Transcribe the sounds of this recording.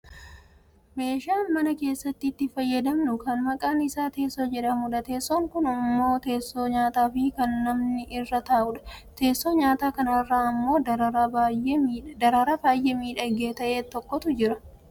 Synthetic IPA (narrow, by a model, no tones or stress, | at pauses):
me̞ːʃaːnmɐnɐke̞ːsːɐt̪ːɪːt̪ːɪfɐjːɐd̪ɐmnʊkɐnmɐkʼaːnɪsaːt̪e̞ːsːoːd͡ʒɛᶑɐmʊᶑɐt̪e̞ːsːoŋkʊnʊmːo̞ːt̪e̞ːsːo̞ːɲaːt̪aːfɪkɐnːɐmnɪʔɪrːɐt̪aːʔʊᶑɐ̥t̪e̞ːsːoːɲaːt̪aːkɐnɐrːaːɐmːo̞ːd̪ɐɾɐɾaajeiːd̪ɐɾaɾaːbaːjʔe̞ːmiːᶑɐɡeːt̪ɐʔe̞ːt̪ɔkːɔt̪ʊd͡ʒɪɾɐ